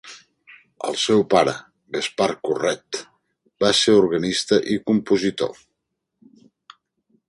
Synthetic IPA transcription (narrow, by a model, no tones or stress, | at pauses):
ə̰lˠsɛwpaɾə | ɣəspaɾkurɛt̪ | baseɾuɾɣənist̪əʔikumpuzit̪o̰